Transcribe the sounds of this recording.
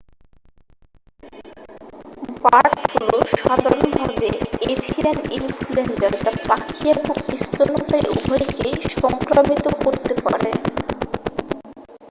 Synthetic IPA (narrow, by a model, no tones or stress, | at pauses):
baɾʈfuloʃad̪aɾonbʱabeefʰienilfʰulenɖaɾd͡ʑaɾbakʰiabokist̪onot̪ajʔṵbʱɔjkejʃɔŋkɾomit̪okoɾt̪epa̰ɾe